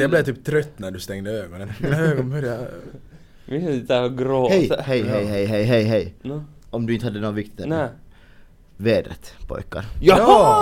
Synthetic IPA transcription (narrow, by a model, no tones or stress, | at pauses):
ɛblɛt̪yːp̚t̪ʰɾœt̪ːnæɖɵst̪ɛŋd̪əøːɡɔnənøːɡɔnbœɾja | mɪt̪ɛɡɾoːhɛjhɛjhɛjɦɛjɦɛjɦɛjɦɛj | ɔmd̪ɵɪnt̪əhad̪ːənoːvɪk̚t̪ɪt̪ | veːd̪ɾə̰t̪pʰɔ̰jka̰ɾjɑ